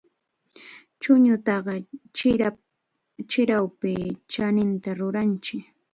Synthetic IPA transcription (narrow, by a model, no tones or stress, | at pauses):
t͡ʃʊɲʊt̪ɑɢɑ | t͡ʃɪɾawpɪt͡ʃanɪnt̪aɾʊɾant͡ʃɪk